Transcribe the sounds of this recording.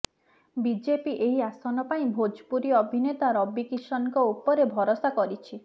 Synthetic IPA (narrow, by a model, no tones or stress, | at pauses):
bid͡ʒepiʔeɦiasɔnɔpaĩbʱod͡ʒpuɾiɔbʱinet̪aɾɔbikiʃɔnkɔupɔɾebʱɔɾosakɔɾit͡ʃʰi